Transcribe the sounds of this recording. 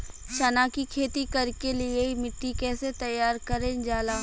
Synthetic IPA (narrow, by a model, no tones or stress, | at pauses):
ʃɐnaːkikʰeːt̪ikɐɾkelieimɪʈːikɛːset̪ɐjːaːɾkɐɾẽd͡ʒaːlaː